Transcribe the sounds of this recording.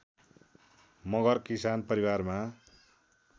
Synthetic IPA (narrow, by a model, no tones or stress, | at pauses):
mʌɡʌrkisanpʌɾiwarma